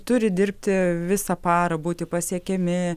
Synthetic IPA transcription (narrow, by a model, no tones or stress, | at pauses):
t̪ʊɾʲɪd̪ʲɪrʲpʲt̪ʲɪʋʲɪsɐpɑːɾɐbuːt̪ʲɪpɐsʲiɛkʲɛmʲɪ